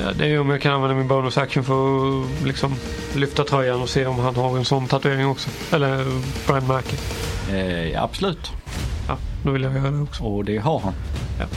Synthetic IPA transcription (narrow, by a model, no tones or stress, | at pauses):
jɑ̰ːd̪ɛæjɵɔmjɑːɡkʰananvɛnd̪amɪnboːnʊsakʂənfœɾɔlɪksɔm | lʏft̪at̪ʰɾœjːanɔseːɔmɦanhaɾɛnsɔnːt̪ʰat̪ɵeːɾɪŋɔksɔ | ɛlːəɾpʰɔɛnmæɾkə | jɑ̰a̰b̥sɔlʉ̟ːt̪ | jɑ̰d̪ovɪljaɡjœːɾad̪ɛɔksɔɔd̪ɛɦahanjɑ̰ː